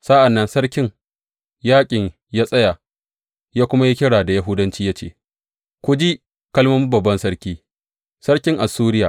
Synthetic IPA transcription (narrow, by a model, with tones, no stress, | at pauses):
sa˦ʔa˨nːɐ˦nsɐ˦ɽkʲɪ˦ŋ | jaː˦kʲʼɪ˨ɲ | jaː˦sʼɐ˦ja˨ | jaː˦kʷʊ˦ma˦ji˦kʲɪ˦ɽaː˨da˨ja˦ɦʊ˦dɐ˦nt͡ʃiː˦ja˦t͡ʃḛː˨ | kʷʊ˦d͡ʒi˦ | kɐ˦lmɐ˦mu˦bɐ˨bːɐ˦nsɐ˦ɽkʲiː˦ | sɐ˦ɾkʲɪ˦ŋʔa˨suː˦ɾɪ˦jaː˨